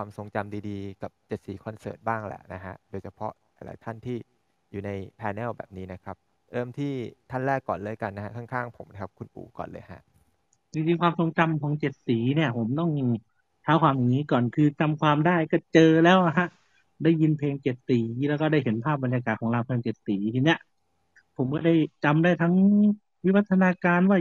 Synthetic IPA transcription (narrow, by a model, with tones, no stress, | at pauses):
kwaː˧mso˨˩˦ŋt͡ɕa˧mdiː˧diː˧ka˨˩p̚t͡ɕe˨˩t̪̚siː˩˦kʰɔ˧nsɤ̰ː˨˩t̪̚baː˥˩ŋlɛ̰˨˩ʔna˦˥kʰa̰˦˥ʔdoː˧jt͡ɕʰa˧pʰɔ̰˦˥ʔ | a̰˧jla̰˨˦jt̪ʰa˥˩nt̪ʰiː˥˩ | juː˨˩na˧jpʰɛː˧nɛː˥˩wbɛ̰ː˨˩p̚niː˦˥na˦˥kʰa˦˥p̚ | ɾɤː˥˩mt̪ʰiː˥˩t̪ʰa˥˩nɾɛː˥˩kːɔ̰ː˨˩nlɤː˧˥˩jka˧nːa˦˥ha˦˥kʰa˥˩ŋkʰaː˥˩ŋpʰo˨˩˦mn˧˩kʰa˦˥p̚kʰu˧nʔṵː˨˩˦kɔ̰ː˨˩nlɤː˧jɦa̰˦˥ʔ | diː˧t̪iː˧kwaː˧mso˨˧˦ŋt͡ɕa˧mkʰɔː˩˦ŋt͡ɕe˨˩t̪̚siː˩˦ni˥˩ɐpʰo˩˦mt̪ɔ˥˩ŋ | t͡ɕ̪ʰaː˦˥wkʰwaː˧mja˨˩ŋniː˦˥kɔː˨˩nkʰɯː˧t͡ɕa˧mkʰwaː˧mdaː˥˩jkɔː˥˩t͡ɕɤː˧lɛː˦˥wʔa˧ɦa˦˥ʔ | daː˥˩jːi˧npʰeː˧ŋt͡ɕe˨˩t̪̚t̪iː˩˦lɛː˦˥kɔː˥˩daː˥˩jhe˩˦npʰaː˥˩ba˧nja˧kaː˨˩t̪̚kʰɔː˩˦ŋlaː˧wpʰeː˧ŋt͡ɕe˨˩t̪t̪iː˩˦t̪ʰiː˧ni˦˥ɐʔ | pʰo˩˦mkɔː˥˩daː˥˩jt͡ɕa˧mdaː˥˩jt̪ʰa˦˥ŋ | wi˦˥wa˦˥t̪ʰːa˧naː˧kaː˧nwaː˥˩